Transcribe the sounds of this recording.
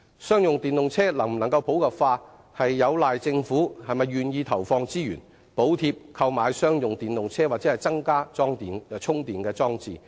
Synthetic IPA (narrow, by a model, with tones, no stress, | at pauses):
sœː˥ŋjʊ˨ŋt̪iː˨nlʊ˨ŋt͡sʰɛː˥lɐ˨˩ŋm̩˨˩nɐ˨˩ŋkɐ˧wpʰo˨˥wkɐ˨˩pfaː˧ | hɐ˨jːɐ˨˧wlaː˨jt͡sɪ˧ŋfuː˨˥hɐ˨jmɐ˨jyː˨njiː˧t̪ʰɐ˨˩wfɔː˧ŋt͡siː˥jyː˨˩n | po˨˥wt̪ʰiː˧p̚kʰɐ˧wmaː˨˧jsœː˥ŋjʊ˨ŋt̪iː˨nlʊ˨ŋt͡sʰɛː˥waː˨˩t͡sɛː˨˦˥ɐ˨jt͡sɐ˥ŋkaː˥t͡sɔː˥ŋt̪iː˨nt͡sʰʊ˥ŋt̪iː˨nkɛː˧t͡sɔː˥ŋt͡sḭː˨